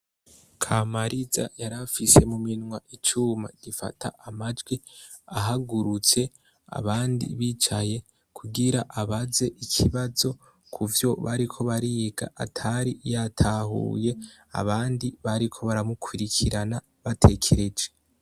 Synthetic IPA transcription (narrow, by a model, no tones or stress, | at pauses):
kʰamaɾiza̰jaɾafise̞muminŋwaʔit͡ʃuma̰ɟ̥ifa̰tʰa̰ʔamad͡ʒɡwi | aɦaɡuɾut͡se̞ | a̰βaːndḭβit͡ʃaje̞ | kʰuɡiɾaʔaβaze̞ʔikʰiβazo̞ | kʰuvjo̞βaɾikʰo̞βaɾiɡa̰ʔatʰaɾijatʰaɦṵje̞ | a̰βaːndiβaɾikʰo̞βaɾamukʰwiɾikʰiɾana | βatʰe̞kʰeɾe̞d͡ʒe